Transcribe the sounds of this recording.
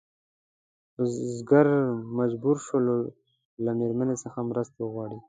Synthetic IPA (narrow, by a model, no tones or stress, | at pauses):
zɡaɾmad͡ʒbuɾʃəlo | lameɾmanesəxamɾəst̪awəɣwɑɽi